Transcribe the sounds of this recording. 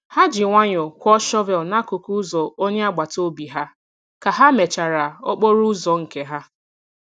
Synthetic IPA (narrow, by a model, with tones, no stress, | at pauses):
ha˦d͡ʒɪ˨ŋʷa˦ɲʊ˨kʷɔ˦ʃɔ˦vɛ˨lna˦kʊ˨ku˦zɔ˨o˦ɲe˦a˦ɡ͡ba˨to˦bi˨ɦa˦ | ka˨ɦa˦me˨t͡ʃa˨ɾa˨ɔ˦k͡po˦ɾu˦zɔ˨ŋ̩˨ke˦ɦa˦